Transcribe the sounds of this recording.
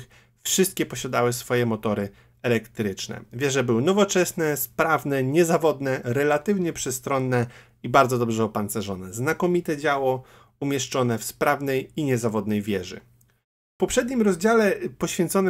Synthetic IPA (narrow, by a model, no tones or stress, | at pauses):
x | fʂɘst̪kʲɛpɔɕad̪awɘsfɔjɛmɔt̪ɔɾɘ | ɛlɛkt̪ɾɘt͡ʂnɛ̰vʲjɛʐɛbɘwɘnɔvɔt͡ʂɛsnɛspɾavnɛɲɛzavɔd̪nɛɾɛlat̪ɘvɲɛpʂɛst̪ɾɔnːɛ | ibaɾd̪zɔd̪ɔbʐɛɔpant̪sɛʐɔnɛznakɔmʲit̪ɛd͡ʑawɔ | umʲjɛʂt͡ʂɔnɛfspɾavnɛjiɲɛzavɔd̪nɛjvʲjɛʐɘ̰ | fpɔpʂɛd̪ɲimɾɔzd͡ʑalɛpɔɕfʲjɛnt̪sɔn